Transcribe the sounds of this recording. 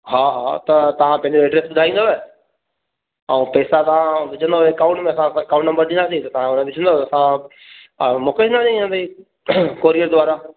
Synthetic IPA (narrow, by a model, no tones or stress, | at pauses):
ɦaːɦaːt̪ɐt̪ɐʋ̤ãpɐ̃ɦɪ̃ɲd͡ʑoɛːɖɾesbʊd̪ʱaːĩːnd̪oɛ | ɛũːpɛːsat̪ɐʋ̤ãʋɪd͡ʑʱə̃nd̪oekaʊ̃ɳʈmẽɐsãsãkaːʊ̃ɳʈnɐ̃mbəɾd̪ĩːnd̪as̬it̪ɐt̪ɐʋ̤ãʊnʋɪd͡ʑʱənd̪oːɐsã | moːkeind̪aaĩne | koːɾijəɾd̪ʊʋaːɾa